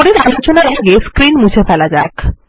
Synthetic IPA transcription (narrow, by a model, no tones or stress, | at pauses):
oɾiɾbʱont͡ɕonaɾeɡeskɾinmut͡ɕʰefɛlad͡ʑak